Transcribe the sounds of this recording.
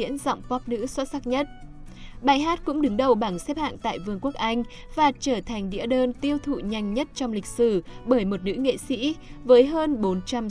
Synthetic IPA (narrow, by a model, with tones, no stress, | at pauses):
ḭ˧˥ənzɔ̰˧˨wŋ͡mkwaː˦˥p̚nɨ̰˧˥swə˦˥t̚sa˦˥k̚ɲə˦˥t̚ | ɓaː˨˩jɦaː˦˥t̚kʊ̰˧˥ŋ͡mɗɨ˨˦ŋɗə˨˩wɓa˧˩ŋsɛ˦˥p̚ha̰ː˧˨ŋt̪a̰ː˧˨jvɨ˧əŋku˦˥ək̚ʔa˧jŋ̟ | vaː˨˩t͡ɕəː˧˩t̪ʰa˨˩ŋ̟ɗḭ˧˥ɗəː˧nt̪i˧əwt̪ʰṵ˧˨ɲa˧˩jŋ̟ɲə˦˥t̚t͡ɕɔ˧wŋ͡mlï˨˩k̟̚sɨ˧˩ɓəː˧˩jmo˨˩t̚nɨ̰˧˥ŋḛ˧˨sḭ˧˥vəː˨˦jɦəː˧nɓo˨˦nt͡ɕa˧m